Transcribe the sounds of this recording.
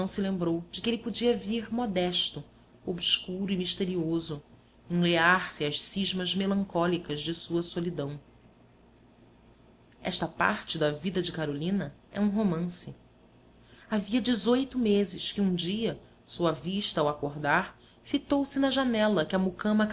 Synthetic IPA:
ɐ̃w̃sɪlẽmbɾowd͡ʒɪkɪelɪpod͡ʒiɐviɾmɔd̪ɛʃt̪ʊ | obskuɾʊimiʃt̪eɾiozʊ | ẽleaɾsɪɐʃsiʒmɐzmelɐ̃ŋkɔlikɐzd͡ʒɪsuɐsolid̪ɐ̃w̃ | ɛ̰ʃt̪ɐpa̰ɾt͡ʃɪd̪ɐvid̪ɐd͡ʒɪkaɾolĩnɐɛ̰ũɦomɐ̃sɪ | aviɐd͡ʒɪzojt̪ʊmezɪʃkɪũd͡ʒiɐ | soɐviʃt̪ɐawakoɾd̪aɾ | fit̪owsɪnɐʒanɛlɐkɪɐmukɐ̃mɐ

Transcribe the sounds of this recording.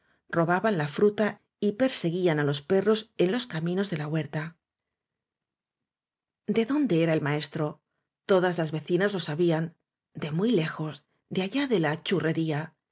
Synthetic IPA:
ro̞βaβanlafɾut̪a | ipe̞ɾse̞ɣianalo̞spe̞ro̞se̞nlo̞skamĩno̞zðe̞laɣwe̞ɾt̪a | d̪e̞ðo̞nd̪e̞e̞ɾae̞lmae̞st̪ɾo̞ | t̪o̞ðazlazβe̞θinazlo̞saβian | d̪e̞mwijle̞xo̞z | d̪eaʝaðe̞lat͡ʃure̞ɾia

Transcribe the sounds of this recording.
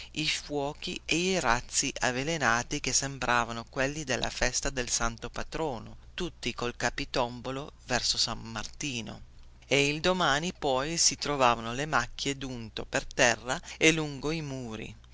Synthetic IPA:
ifwɔːkieiɾat̪sːiʔavelenaːt̪ik̟esːembɾʔaːvanokwelːid̪elːʔa̰fɛst̪ad̪elsant̪opat̪ɾɔːnot̪ut̪ːikolkapit̪ɔmbolovɛrsosamːa̰rt̪iːno̰ | eild̪omaːnipɔjsit̪ɾovaːvanolemakːjed̪unt̪o̰pert̪ɛrːaeluŋɡoimuːɾḭ

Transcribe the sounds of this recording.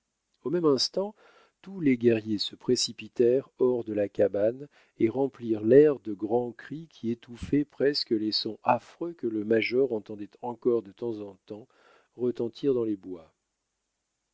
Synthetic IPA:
omɛmɛ̃st̪ɑ̃ | t̪uleɡʲɛʁjesəpχesipit̪ɛʁɔʁd̪əlakaban | eʁɑ̃pliʁlɛʁd̪əɡʁɑ̃kχikʲʰiet̪ufɛpχɛskəlesɔ̃ʔafχøkələmaʒɔʁɑ̃t̪ɑ̃d̪ɛt̪ʰɑ̃kɔʁd̪ət̪ɑ̃zɑ̃t̪ɑ̃ | ʁət̪ɑ̃t̪ʰiʁd̪ɑ̃lebwa

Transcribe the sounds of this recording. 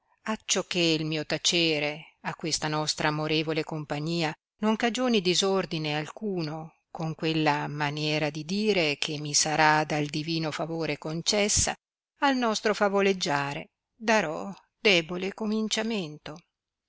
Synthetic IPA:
at͡ʃːɔkːeilmiːot̪at͡ʃeːɾeakːwest̪anɔst̪ɾaːmoɾeːvolekompaɲːiːa | noŋkad͡ʒoːnid̪izord̪inealkuːno | koŋkwelːamanjɛːɾad̪id̪iːɾekʰemːisaɾad̪ald̪iviːnofavoːɾekont͡ʃɛsːa̰ | alnɔst̪ɾofavoled͡ʒːaːɾḛ | d̪aɾɔ | d̪ɛːbolekomint͡ʃament̪o

